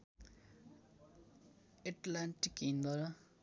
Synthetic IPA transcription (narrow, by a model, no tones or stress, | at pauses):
eʈlaɳʈikind̪ʌɾ